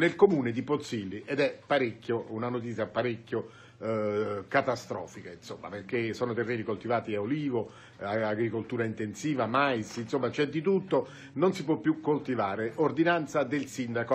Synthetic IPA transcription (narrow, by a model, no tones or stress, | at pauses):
nelkomuːned̪ipot̪sːilːiʔɛd̪ɛpːaɾekʲːjounanot̪̬it̪sjapːaɾekːjo | kat̪ast̪ɾɔ̰ːfikainsomːa̰perkesɔːnot̪erːeːnikolt̪ivaːt̪iaoliːvo | aaɡɾikolt̪uːɾaint̪ensiːvamajsinsomːat͡ʃɛd̪ːit̪ut̪ːo | nonsip̬wɔpːjukːolt̪ivaːɾeʔord̪inant̪sad̪elsind̪ako